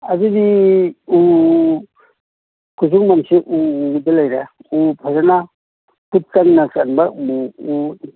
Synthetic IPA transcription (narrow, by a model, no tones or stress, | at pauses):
azidiu | kuzuŋmamseʔudalajɾaupʰazana | put̚kaŋnasanbamuu